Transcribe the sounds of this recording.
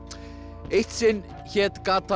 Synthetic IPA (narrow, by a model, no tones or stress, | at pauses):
ejht̪sɪn | çɛːt̪kaːt̪ʰa